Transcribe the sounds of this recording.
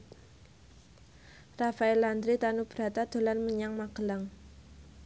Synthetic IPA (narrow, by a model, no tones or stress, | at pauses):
rafaɛland̪ɾit̪anub̥əɾat̪ad̪̥o̤lanməɲaŋmaɡ̥əlaŋ